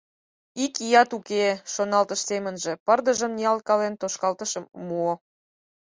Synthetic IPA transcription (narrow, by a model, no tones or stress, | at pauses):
ikijɑt̪ukeʃonɑlt̪əʃsemənʒe̽pərd̪əʒəmniɑlkɑlent̪oʃkɑlt̪əʃəmːuo